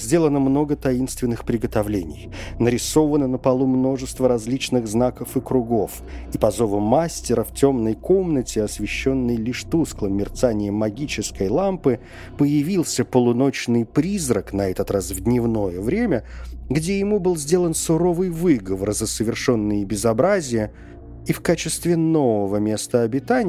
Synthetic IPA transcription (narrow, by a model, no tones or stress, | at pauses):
zʲdʲe̞lˠənəmno̞ɡət̪ɐinst̪vʲɪnːɨxpɾʲɪɡət̪ɐvlʲenʲɪ̰jnəɾʲɪso̞vənənəpɐlˠumno̞ʐɨst̪vəɾɐzʲlʲit͡ɕnɨɣznakəfɨkɾʊɡo̞f | ipɐzo̞vəmːasʲtʲɪɾəftʲo̞mnəjko̞mnətʲɪɐsvʲɪɕːo̞nːɨjlʲiʂt̪usklˠəmːʲɪrt̪sanʲɪjəmɐɡʲit͡ɕɪskəjlˠampɨ | pəjɪvʲilˠsʲəpəlˠʊno̞t͡ɕnɨjpɾʲizɾəknɐɛt̪ət̪rasvd̪ʲnʲɪvno̞jəvɾʲemʲəɡdʲejɪmubɨlˠzʲdʲe̞lˠənsʊɾo̞vɨjvɨɡəvərzəsəvʲɪrʂo̞nːɨjəbʲɪzɐbɾazʲɪjə | ifkat͡ɕɪst̪vʲɪno̞vəvəmʲe̞st̪əɐbʲɪt̪anʲɪ